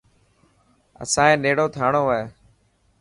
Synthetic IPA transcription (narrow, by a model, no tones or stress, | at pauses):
ə̰sãːẽːneːɽoːt̪ʰaːɳoːaeː